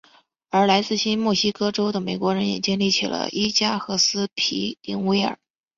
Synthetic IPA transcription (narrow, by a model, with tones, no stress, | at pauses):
ə˞˧˥la˧˥ɪt͡sɹ̩˥˩ɕi˥nmwɔ˥˩ɕi˥kɤ˥ʈ͡ʂo˥ʊd̪ə˨me˨˩ɪkwɔ˧˥ɻə˧˥njɛ̰˨˩t͡ɕjɛ˥˧nli˥˩t͡ɕʰḭ˨˩lə̰˦ʔi˥t͡ɕja˥xɤ˧˥sɹ̩˥pʰi˧˥t̪i˧˥ŋwe˥ɪə̰˞˨˩˦